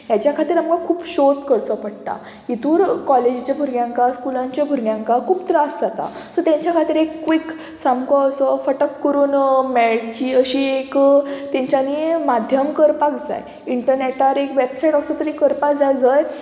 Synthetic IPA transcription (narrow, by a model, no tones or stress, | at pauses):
ɦjat͡ɕjakʰat̪iːɾamkakʰuːbɕot̪kəɾt͡sɔpəɽʈ̪a̰ | it̪uːɾkɔled͡ʑit͡ɕjabʱuɾɡjãŋkaskulãɲt͡ɕjabʱuɾɡjãŋkakʰuːpt̪ɾasd͡zat̪a̰sɔt̪jãɲt͡ɕjakʰat̪iːɾekːʋik | samkɔəsɔfəʈəkːəɾuːnmɛɭt͡ɕiːəɕiːekt̪ẽɲt͡ɕanimad̪ʱjəmkəɾpakd͡za̰j | iɳʈəɾneʈaɾekʋebsajʈəsɔt̪əɾikəɾpakd͡zajd͡zəj